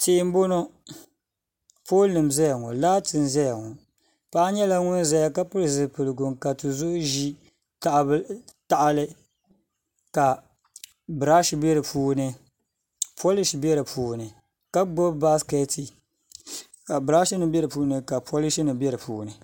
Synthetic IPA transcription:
te˨ɪ˦m˦bo˦no˦ | pʰoː˦lnɨ˨m˨zɛ˦ja˨ŋɔ˨laː˦tɨ˨n˨zɛ˦ja˨ŋɔ˨ | pa˦ʔa˦ɲɛ˦la˦ŋʊ˦n˦za˦ja˨ka˦pʊ˦ɾɨ˨zɨ˨pɨ˨lɨ˨ɡʊ˨mka˨tu˨zʊ˦ʊ˦ʒi˦ | ta˨ʔa˨bta˨ʔa˦lɨ˦ | ka˨ | bɨ˨ɾa˦ʃi˦bɛ˦ɾɨ˨puː˦nɨ˦ | pʰo˦li˦ʃbɛ˦ɾɨ˨puː˨nɨ˨ | ka˦ɡ͡bo˦bba˦skɛ˦ti˨ | a˨bɾa˦ʃi˦nɨ˨bɛ˦ɾɨ˨pu˦nɨ˦ka˨pʰo˦li˦ʃi˦nɨ˨bɛ˦ɾɨ˨puː˨˦nɨ˨

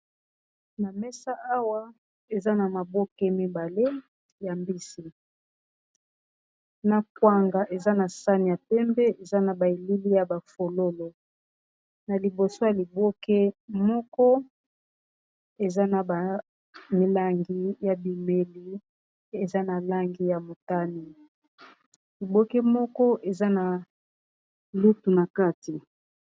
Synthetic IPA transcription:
na˨mɛ˦sa˦a˦wa˦ | e˨za˦na˨ma˨bo˦ke˦mi˦ba˨le˦ | ja˨mbi˦si˨ | na˨kwa˨ŋɡa˨ʔe˨za˦na˨sa˦ni˨ja˨pɛ˦mbɛ˦e˨za˦na˨ba˨i˨li˦li˦ja˨ba˨fo˨lo˦lo˨ | na˨li˨bo˨so˦ja˨li˨bo˦ke˦mɔ˦kɔ˦ | e˨za˦na˨ba˨ | mi˨la˦ŋɡi˦ja˨bi˨me˨li˦ | e˨za˦na˨la˦ŋɡi˦ja˨mo˨ta˦ni˨ | li˨bo˦ke˦mɔ˦kɔ˦ʔe˨za˦na˨ | lu˦tu˨na˨ka˦ti˨

